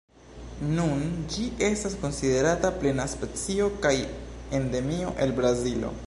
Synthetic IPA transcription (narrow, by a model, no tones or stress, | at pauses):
nund͡ʒiʔe̞stasko̞nside̞ɾataple̞naspe̞t͡sio̞kaje̞nde̞mio̞̰ʔe̞lbɾazilo̞̰